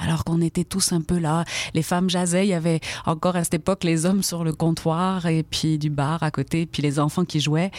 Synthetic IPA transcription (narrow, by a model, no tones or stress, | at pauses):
a̰lɔʁkɔ̃net̪ɛt̪usɛ̃pølalefamʒazɛiljavɛɑ̃kɔʁasɛ̥t̪epɔklezɔmsyʁləkɔ̃t̪ʰwaʁepɥid̪ybaʁakot̪epɥilezɑ̃fɑ̃kʲiʒuwɛ